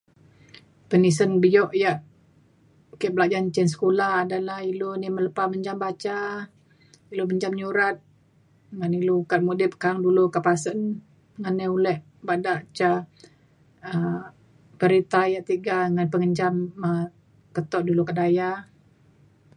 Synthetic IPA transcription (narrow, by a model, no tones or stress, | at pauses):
pənis̬ənbijɔʔjaʔ | kɛʔbəlaʔd͡ʒant͡ʃɛnsə̥kulahadalahilonimələpaməɲd͡ʒambat͡ʃa | iloməɲd͡ʒamɲuɾat̪̚ | ŋanilukat̪̚mudɪp̚kaŋdulukaʔpasən | ŋanɛulɛʔ | badaʔt͡ʃa | ə | pəɾit̪ajaʔt̪iɡaŋanpəŋəɲd͡ʒamə | kət̪ɔʔdulukaʔdaja